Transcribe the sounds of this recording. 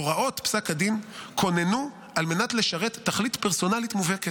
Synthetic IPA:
oʁaʔo̞tpsakadinkʰo̞ne̞nu | alme̞natle̞ʃaʁetːaχlitpeʁso̞nalitmuveket

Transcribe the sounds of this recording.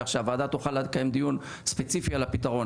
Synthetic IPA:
aχʃavaːd̪at̪uχalekajemd̪ijun | spet͡sifialapit̪aʁo̞n

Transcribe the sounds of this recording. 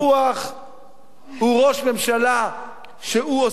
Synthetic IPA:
uaχ | huʁo̞ʃme̞mʃala | ʃeuo

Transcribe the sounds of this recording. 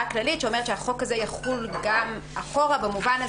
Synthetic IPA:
klalitʃeo̞me̞ʁetʃeaχo̞kazejaχulɡamaχo̞ʁabemuvana

